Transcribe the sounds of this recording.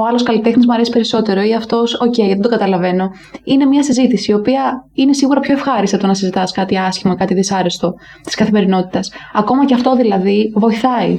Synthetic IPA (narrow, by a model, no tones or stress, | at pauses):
oɐlo̞skɐlit̪e̞xnizmuɐɾe̞si̥pe̞ɾiso̞t̪e̞ɾo̞iɐft̪o̞so̞cejʝɐt̪id̪o̞ɡɐt̪ɐlɐve̞no̞ | ine̞mɲɐsizit̪isiːo̞piɐine̞siɣuɾɐpço̞efxɐɾist̪ɐt̪onɐsizit̪ɐskɐt̪iɐsçimmɐkɐt̪iðisɐɾest̪o̞ | t̪i̥skɐθime̞ɾino̞t̪i̥t̪ɐsɐko̞mɐceɐft̪o̞ðilɐðivo̞iθɐi